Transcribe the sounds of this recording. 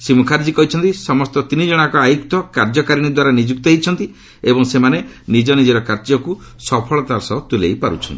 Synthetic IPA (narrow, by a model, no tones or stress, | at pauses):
simukʰaɾd͡ʒikɔɦit͡ʃʰɔnt̪isɔmɔst̪ɔt̪inid͡ʒɔɽ̃akɔajukt̪ɔkaɾd͡ʒɔkaɾiɽ̃id̪waɾanid͡ʒuk̚t̪ɔeit͡ʃʰɔnt̪i | ebɔŋsemanenid͡ʒɔnid͡ʒeɾɔkaɾd͡ʒɔku | sɔpʰɔɭɔt̪aɾsɔt̪ulejpaɾṵt͡ʃʰɔnt̪ii